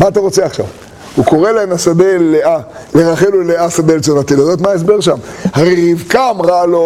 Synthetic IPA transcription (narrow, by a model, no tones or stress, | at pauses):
maːt̪aʁo̞t͡seaχʃa̰v | huko̞ʁelaemasad̪elea | leʁaχeluleasad̪elt͡sonat̪ilozot̪maes̬be̞ʁʃamhaʁeʁivkamʁalo